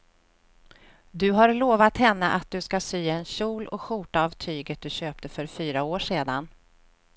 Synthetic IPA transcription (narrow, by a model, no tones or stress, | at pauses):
d̪ɵɦaɾloːvat̪hɛnːəʔat̪̚d̪ɵskasyːɛnɕuːlɔ̰kɧʊʈaːvt̪ʰyːɡət̪̚d̪ɵɕøːp̚t̪əfœɾfyːɾaoːʂeːd̪an